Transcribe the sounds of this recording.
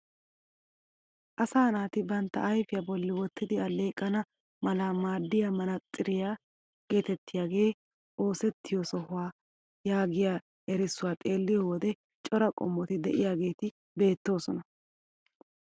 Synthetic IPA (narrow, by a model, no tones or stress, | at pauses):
ʔɐsaːnaːt̪ɪbɐnt̪ːɐ̰ɐjfɪjɐbɔlːɪwɔt̪ːɪd̪ɪɐle̞ːkʼːɐnɐ | mɐlaːmaːd̪ːɪjamɐnɐt̪ʼːɪɾɪjaː | ɡ̥e̞ːt̪ɛt̪ːɪjaːɡe̞ː | ʔo̞ːsɛt̪ːɪjɔsɔhʊwaː | jaːɡɪjaː | ɛɾɪsːʊwaːt̪ʼe̞ːlːɪjɔwɔd̪ɛ | t͡ʃʼɔɾɐkʼɔ̰mːɔt̪ɪd̪ɛʔɪjaːɡe̞ːt̪ɪ | be̞ːt̪ːo̞ːsɔnɐ